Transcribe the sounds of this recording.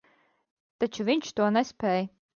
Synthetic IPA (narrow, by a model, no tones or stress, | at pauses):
t̪at͡ʃuvʲiɲʲt͡ʃt̪uɔnɛspʲɛːj